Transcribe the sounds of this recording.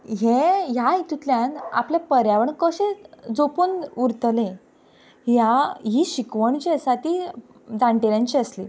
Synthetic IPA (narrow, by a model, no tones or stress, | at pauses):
ɦeɦjait̪ut̪ljãna̰pljapəɾjaʋəɳkəɕẽd͡zopunuɾt̪əlẽ | ɦjaɦiːɕikʋəɳt͡ɕesat̪iː | d͡zãɳʈeɾjãɲt͡ɕiəslḭ